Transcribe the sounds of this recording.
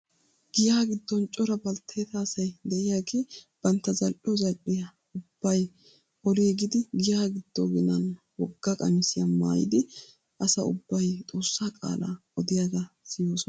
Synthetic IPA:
ɡɪjaːɡɪd̪ːɔnt͡ʃʼɔɾɐbɐlt̪ʰːeːt̪aːsɐjd̪ɛʔɪjaːɡeːb̥ɐnt̪ːɐzɐlʔɪjɔzɐlʔɪjɐ | ʊb̥ːɐj | ʔɔliɡɪd̪ɪɡɪjaːɡɪd̪̥ːoɡɪnɐn | wɔɡːɐkʼɐmɪsɪjɐma̰ːjɪ̰d̪ɪ | ʔɐsɐʊbːɐjt̪ʼo̞ːsːaːkʼa̰ːla̰ːɔd̪ɪjaɡasɪjo̞ːsɔn

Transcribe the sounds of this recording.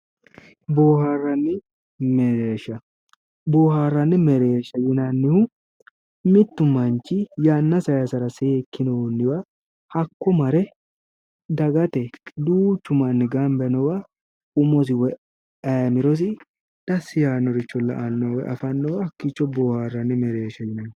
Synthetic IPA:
boːharːɐnːɪ | mɛɾeːʃɐ | boːharːɐnːɪmɛɾeːʃːɐjɪnɐnːɪhʊ | mɪt̪ːʊmɐnt͡ʃɪjaːnːɐsɐjɐsɐɾɐsekːɪnɔnːɪwa | hɐkːɔmɐɾɛ | d̪ɐɡɐt̪ɛd̪uːt͡ʃːʊmɐnːɪɡɐmbɛnɔwa | ʊmɔs̬ɪwɔ | ɐjmɪɾɔs̬ɪ | d̪̥ɐsːɪjaːnːɔɾɪt͡ʃːɔlːɐ̰ʔɐnːɔwɛʔɐ̰fɐnːɔwɐkːɪt͡ʃːɔboːhaːrːɐnːɪmɛɾeːʃɐjɪnɐnː

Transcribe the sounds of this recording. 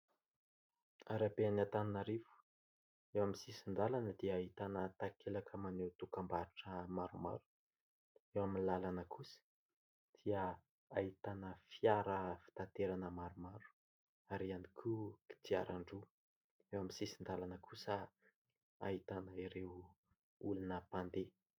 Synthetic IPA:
aɾabeanat̪aninaɾivu̥ | ewaminsisind̪alanəd̪iəːɦit̪anət̪akʰelakʰəmanewt̪ukambaɾuʈ͡ʂəmaɾuma̰ɾu̥ | ewaminlalanəkʰusə̥ | d̪̥iə | aɦit̪anəfiaɾəfi̥t̪ant̪eɾanəmaɾumaɾu̥ | aɾianikʲʰuki̥t̪ia̰ɾaɳɖ͡ʐu | ewamisisind̪alanəkʰusə | ait̪anəiɾew | ulunəpand̪e

